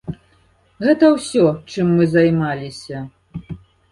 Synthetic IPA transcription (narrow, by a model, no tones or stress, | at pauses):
ɣɛt̪ɐwsʲɔt͡ʂɨmːɨzɐjmalʲisʲɐ